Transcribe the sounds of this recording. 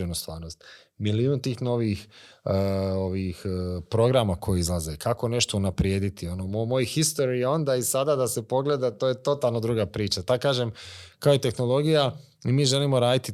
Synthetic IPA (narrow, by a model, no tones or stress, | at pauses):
enust̪ʋa̰ːɾno̞st̪ | miliuːnt̪iːxno̞ʋiːx | oʋixpɾo̞ɡɾamakʰojeizlˠaze̞kʰako̞ne̞ʃt̪o̞unapɾje̞ːd̪it̪io̞nomomo̞jxist̪o̞ɾijeo̞nd̪aːisad̪aːd̪ase̞po̞ɡle̞d̪at̪oːjet̪o̞t̪alˠno̞d̪ɾuːɡapɾiːt͡ʃat̪ad̪kaːʒemkaoit̪e̞xno̞lo̞ɡija | imiːʒe̞limo̞ɾaːd̪it̪i